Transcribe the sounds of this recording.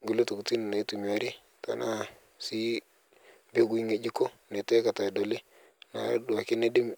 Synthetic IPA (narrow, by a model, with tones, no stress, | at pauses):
ŋɡu˦lo˦tu˨ku˨ti˦n˨ne˨˦tu˨mja˨˦ɾe˦ | ta̰˨na˦ | si˦ | be˦ɡi˦ŋe˨d͡ʒi˦ko˦ne˨tɛ˦ka˨ta˨dɔ˨le˦ | na̰˨˦da˨kɪ˦ne˦dɪ˦m